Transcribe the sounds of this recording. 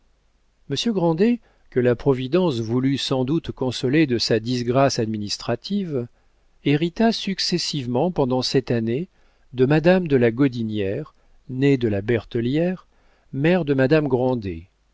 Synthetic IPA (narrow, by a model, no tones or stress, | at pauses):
məsjøɡʁɑ̃d̪e | kəlapχɔvid̪ɑ̃svulysɑ̃d̪ut̪kɔ̃sɔled̪əsad̪isɡʁasad̪minist̪χat̪iv | eʁit̪asyksɛsivmɑ̃pɑ̃d̪ɑ̃sɛt̪ane | d̪əmad̪amd̪əlaɡɔd̪injɛʁ | ned̪əlabɛʁt̪ɔljɛʁ | mɛʁd̪əmad̪amɡʁɑ̃d̪ḛ